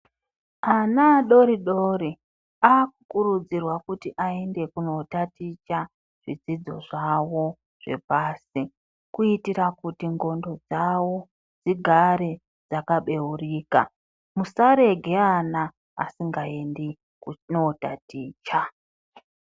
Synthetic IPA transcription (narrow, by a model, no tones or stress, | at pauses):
anaɗo̞ɾiɗoːɾi | aːkukuɾud͡zirwakutiʔae̞nde̞kuno̞tatit͡ʃa | ʐ̥id͡zid͡zo̞̰ʐawo̞ | ʐ̥e̞̰paːsi | kuitiɾakutiŋɡo̞ndo̞d͡zawo̞ | d͡ziɡʱaɾe̞ | d͡zakaɓe̞uriːka̰ | musaɾe̞ɡʱe̞ana̰ː | siŋɡae̞ndi | knotatiːt͡ʃa